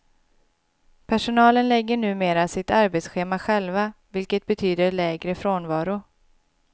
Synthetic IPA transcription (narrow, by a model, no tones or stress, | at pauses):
pʰæʂʊnɑːlənlɛɡːəɳʉ̟ːmeːɾasɪt̪aɾbeːt̪sɧeːmaɧɛlvavɪlkət̪̚bɛt̪ʰyːd̪əɭɛːɡɾəfɾoːnvɑːɾʊ